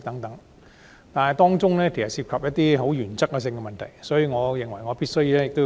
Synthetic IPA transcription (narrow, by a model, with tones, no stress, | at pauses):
t̪ɐ˨˥ŋt̪ɐ˨˥ŋ | t̪aː˨nɐ˨jt̪ɔː˥ŋt͡sʊ˥ŋlɛː˥kʰe˨˩sɐ˨t̚siː˧p̚kʰɐ˨p̚jɐ˥t̪̚iː˥ɦo˨˥wjyː˨˩nt͡sɐ˥kːɛ˧s̬ɪ˧ŋkɛ˧mɐ˨nt̪ʰɐ̰˨˩jsɔː˨˥jiː˧ŋɔː˨˧jɪ˨˩ŋwɐ˨˩jŋɔː˨˧piː˥t̚sɵ˥ɥjiː˨˧lɛː˥jɪ˨k̚t̪o˥